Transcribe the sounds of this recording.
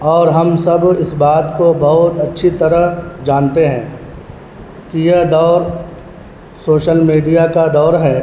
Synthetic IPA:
ɔːɾɦɐmsɐbɪsbaːt̪kobɐɦʊt̪ɐtːʃʰit̪ɐɾəd͡ʒaːnt̪eɦɛ̃ː | kijed̪ɔːɾ | soːʃəlmiːɖijakad̪ɔːɾɦɛː

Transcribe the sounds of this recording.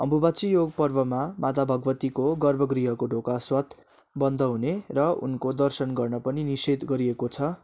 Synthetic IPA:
ʌ̰mbʱubat͡sijoɡpʌrbʌmamat̪abʱʌɡʌʋʌt̪ikoɡʌrbʱʌɡriɦʌkoɖʱokaswʌt̪ | bʌnd̪ʱʌɦunerʌṵnkod̪ʌrsʌnɡʌrnʌpʌninised̪ɡʌɾiekot͡sʰʌ

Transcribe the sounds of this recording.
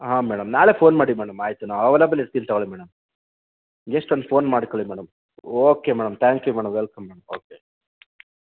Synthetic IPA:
ɦãːmɛːɽɐmnaːleːpʰoːnmaːɽimɛːɽɐmaːjt̪unaːʋɐʋeːlɐbɐliɾt̪int̪ɐɡɐɭimɛːɽɐm | jeʂʈond̪pʰoːnmaːɽikoɭimɛːɽɐm | oːkemɛːɽɐmt̪ʰaːŋkjumɛːɽɐmʋelkɐmːɛːɽɐmoːke

